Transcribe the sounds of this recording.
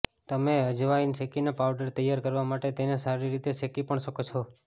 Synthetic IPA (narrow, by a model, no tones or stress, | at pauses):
t̪əmeəd͡ʒʋaint͡ʃekinapaʋɖəɾt̪əjaɾkəɾʋamaʈet̪enesaɾiɾit̪et͡ʃekipəɳʃəkot͡ʃʰo